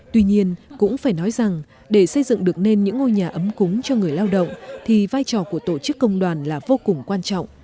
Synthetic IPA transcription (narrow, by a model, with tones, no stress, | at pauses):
t̪wi˧ɲi˧ənkʊ̰˧˥ŋ͡mfaː˧˩jnɔ˨˦jza˨˩ŋ | ɗe˧˩sə˧jzɨ̰˧˨ŋɗɨ˨˩ək̚ne˧nɲɨ̰˧˥ŋːo˧jɲaː˨˩ʔə˨˦mkʊ˨˦ŋ͡mt͡ɕɔ˧ŋɨ˨˩əjlaː˧wɗə̰˧˨wŋ͡mt̪ʰi˨˩vaː˧jt͡ɕɔ˧˩ku˧˩ət̪o˧˩t͡ɕɨ˦˥kːə˧wŋ͡mɗwaː˨˩nlaː˨˩vo˧kʊ˨˩ŋ͡mkwaː˧nt͡ɕɔ̰˧˨wŋ͡m